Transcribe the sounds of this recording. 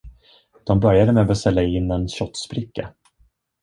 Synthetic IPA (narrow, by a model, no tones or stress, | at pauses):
d̪̥ɔmbœɾjad̪əmɛabɛst̪ɛlːaɪnːɛnɕɔt̪ːspɾɪkːa̰